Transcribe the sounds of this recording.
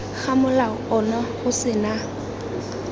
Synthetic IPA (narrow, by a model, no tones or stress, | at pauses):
k͡xamʊlaɔnaɣʊsɪna